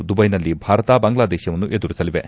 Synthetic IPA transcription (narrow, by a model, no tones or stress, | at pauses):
d̪ubɐjnɐlːibʱaːɾɐt̪aːbaŋɡlaːd̪eːʃjɐʋɐnːuʔed̪uɾisɐliʋe